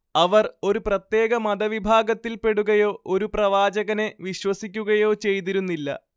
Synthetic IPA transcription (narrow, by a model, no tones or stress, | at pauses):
ɐʋɐro̞ɾuprɐt̪je̞ːɡɐmɐd̪ɐʋibʱaːɡɐt̪ːilpe̞ɽuɣɐjo̞ːʔoɾuprɐʋaːd͡ʑɐɣɐne̞ʋiɕwɐsikʲːuɣɐjo̞ːt͡ɕe̞jt̪iɾunːilːɐ̰